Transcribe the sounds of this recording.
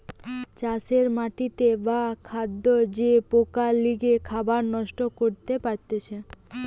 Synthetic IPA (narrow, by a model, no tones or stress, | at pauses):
t͡ɕaseɾmaʈit̪ebakʰad̪ːod͡ʑepokaliɡekʰabaɾnɔʃʈokoɾt̪epaɾt̪et͡ɕʰe